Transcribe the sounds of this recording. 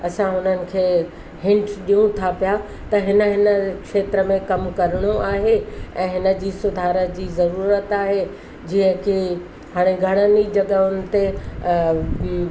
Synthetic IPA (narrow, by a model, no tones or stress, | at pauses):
ɐsãɦʊnənɪ̆kʰeː | ɦɪ̃ɳʈɗijũt̪ʰapija | t̪ɐɦɪnəɦɪnəkʃeːt̪ɾəmẽkɐmkɐɾɽ̃oʔaːɦeɛ̃ːɦɪnə̆d͡ʑiːsʊd̪ʱaːɾəd͡ʑiːzɐɾuːɾət̪aːɦe | d͡ʑĩːɦə̃ki | ɦaːɽ̃eɡʱɐɽ̃ənid͡ʑɐɡəɦʊnɪ̆t̪e